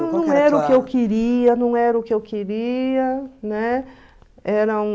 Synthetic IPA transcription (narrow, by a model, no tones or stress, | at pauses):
nɐ̃w̃ɛɾɐʊkɪewkɪɾiɐnɐ̃w̃ɛɾɐʊkɪewkiɾiɐnɛ | ɛɾɐũ